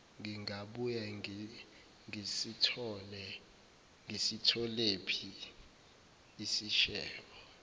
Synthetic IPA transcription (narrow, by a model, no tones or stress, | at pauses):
ŋɡiŋʱaɓuja | ŋisitʰɔlɛ | ŋʱisitʰɔlepʰi | isiʃɛːlɔ